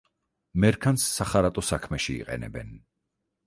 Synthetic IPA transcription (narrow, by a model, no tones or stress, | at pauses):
mɛɾkʰansːaχaɾat̪ʼɔsakʰmɛʃiḭqʼɛ̰nɛ̰bɛ̰n